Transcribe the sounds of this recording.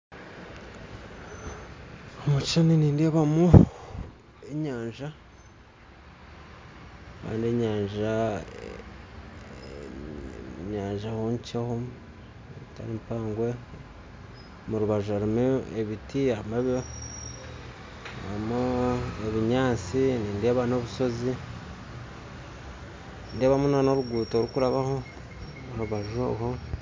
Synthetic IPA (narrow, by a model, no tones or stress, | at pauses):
omut͡ʃt͡ʃaniniːndiaβamu | eɲaːɲʒa | ka̰ːndieɲaːɲʒa | ɲaːɲʒahoɲt͡ʃaho | ta̰ɾimpaːŋɡwe | muɾuβaʒuaɾimueβitiaɾimaβo | amueβiɲaːt͡siniːnde̞ːβano̞βuso̞zi | nde̞ːβamunanoβuɡuːtoːɾukuɾaβaho̞ | uɾuβaʒo̰ɦo